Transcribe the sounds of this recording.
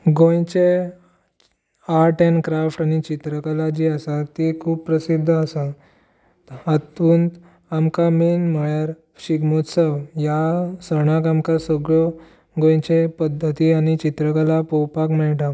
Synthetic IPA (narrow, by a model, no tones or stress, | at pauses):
ɡõjt͡ɕe | aʈenkɾafʈañit͡ɕit̪ɾəkalad͡ʑiəsat̪ikʰuːp̚pɾəsid̪ʱːəəsa | at̪unt̪ | amkamenm̤əɭjaɾ | ɕiɡmot̪səwjasəɽ̃ãkamkasəɡɭɔ | ɡõjt͡ɕepəd̪ʱːət̪iːaɽ̃it͡ɕit̪ɾəkalapowpakmɛɭʈa